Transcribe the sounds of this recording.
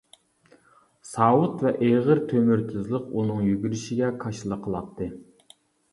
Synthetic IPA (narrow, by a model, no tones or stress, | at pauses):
sɑːwut̪vɛʔeʁəɾt̪ʰømyɾt̪ʲʰɪzlˠəqunɨŋjyɡʲyɾɪʃiɡʲɛkʰɑʃɨlˠəqʰːəlˠɑt̪ʰːɨ